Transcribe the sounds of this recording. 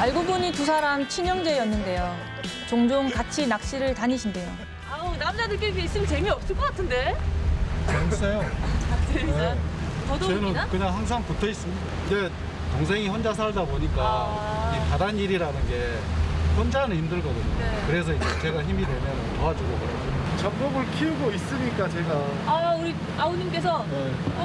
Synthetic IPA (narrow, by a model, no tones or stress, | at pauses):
aɭɡobuɲitusʰaɾamt͡ɕʰiɲʌŋd͡ʑeʌnːɯnde̞jo | t͡ɕoŋd͡ʑoŋkat͡ɕʰinak̚ɕ͈iɾɯɭtaɲiɕʰinde̞jo | aonamd͡ʑadɯɭk͈eɡeɕ͈imt͡ɕe̞miʌp̚s͈ɯɭk͈ʌk͈atʰɯnde̞ | t͡ɕʌkʰs͈ʰejoe | ʌdot͡ɕʌnɯnkɯɲaŋɦaŋs̬ʰaŋkutʰʌis͈ɯmidaid͡ʑe | toŋs̬ʰe̞ŋiɸwʌnd͡ʑas̬ʰaɭdaboɲik͈a | d͡ʑepadaniɾiɾanɯnɡe̞ | hʌnd͡ʑanɯçimdɯɭɡʌdɯɲoekɯɾe̞s̬ʰʌid͡ʑet͡ɕe̞ɡaçimidwe̞mjʌntoad͡ʑuɡokʌɾʌd͡ʑot͡ɕam̚mobɯɭkʰiuɡois͈ɯɲik͈at͡ɕe̞ɡaauɾi | aoɲimk͈e̞sʰʌ | e